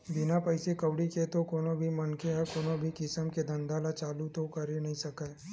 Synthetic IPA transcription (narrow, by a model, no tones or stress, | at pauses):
bɪnapɐɪsekɐwɽiket̪okoːnobʱimɐnkeɦɛkoːnobʱikɪsəmked̪ɐ̃nd̪ʱalat͡ʃaːlut̪okɐɾenɐɦĩsɐkae